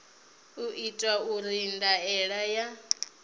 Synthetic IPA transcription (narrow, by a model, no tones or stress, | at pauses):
uʔitʼauɾindaɛɺaja